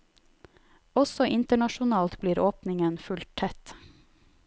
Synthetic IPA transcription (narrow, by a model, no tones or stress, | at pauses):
ɔsɔʔɪnt̪əɳɑʃʊnɑːlt̪bliːɾoːpnɪŋənfʉlt̪ʰɛt̪